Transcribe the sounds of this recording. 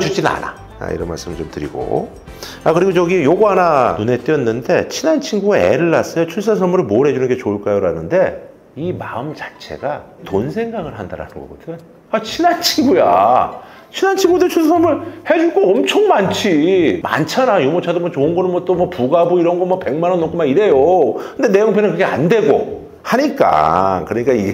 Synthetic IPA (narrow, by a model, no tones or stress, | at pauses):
t͡ɕut͡ɕ͈inna̰na̰ | a̰ḭɾʌnma̰ɭs͈ɯmɯɭt͡ɕomtɯɾḭɡo̰ | a̰kɯɾiɡot͡ɕʌɡijoɡoɦananune̞t͈iʌnːɯnde̞t͡ɕʰinant͡ɕʰiŋɡuaḛɾɯɭːas͈ʌjot͡ɕʰuɭs̬͈as̬ʰʌmuɾɯɭmoɾɦe̞d͡ʑunɯnŋɡe̞t͡ɕoɯɭk͈ajoɾanɯnde̞ | imaɯmt͡ɕḁt͡ɕʰe̞̰ɡa | tonsʰe̞ŋɡaŋɯɭɦandaɾa̰nɯnɡʌ̰ɡʌt͈ʰɯn | at͡ɕʰinant͡ɕʰiŋɡuja̰ | t͡ɕʰinant͡ɕʰiŋɡudet͡ɕʰuɭs̬ʰasʰʌmɯɭhe̞d͡ʑuɭk͈oʌmt͡ɕʰoŋmant͡ɕʰima̰nt͡ɕʰanajumot͡ɕʰadomwʌt͡ɕoɯnɡʌnɯɭmwʌt͈omwʌpuɡabuiɾʌnɡʌmwʌpe̞ŋmanʌnːok͈ʰomaŋiɾe̞jokʰɯnde̞ne̞muŋpʰenɯnkɯɡea̰nde̞ɡo | haɲik͈a̰kɯɾʌɲik͈ai